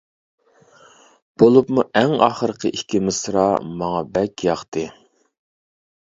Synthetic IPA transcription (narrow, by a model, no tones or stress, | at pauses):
b̥olˠupmuʔɛŋɑ̰ːχəɾəqʰəʔikʲʰimɪsɾɑ̰mɑŋɑbɛkʲʰjɑχt̪ɨ